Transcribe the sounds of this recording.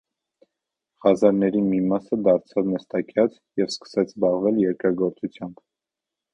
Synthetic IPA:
hɑzɑɾnɛɾimimɑsəd̪ɑɾt͡sʰɑvnəst̪ɑkʰjɑt͡s | jɛvskə̥sɛt͡sʰzbɑʁvɛljɛɾkɾɑɡɔɾt͡sut͡sʰjɑmb

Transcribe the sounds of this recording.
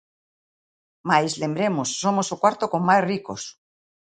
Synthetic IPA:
majzlembɾemosːomosokwaɾt̪okoŋmajsrikos

